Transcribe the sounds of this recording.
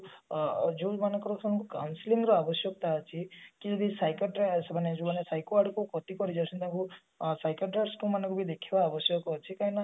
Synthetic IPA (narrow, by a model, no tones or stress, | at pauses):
d͡ʒumanekɔɾɔkʰanɔkukawnsiliŋɡɾɔabɔsjɔkt̪aɔt͡ʃʰikibisajkɔʈɾesbaned͡ʒubanesajkoaɽkukɔt̪ikɔɾid͡ʒasʰɔnt̪aku | sajkɔʈɾeʈskumanɔkubid̪ekʰebaːbɔsjɔkɔt͡ʃʰikaĩna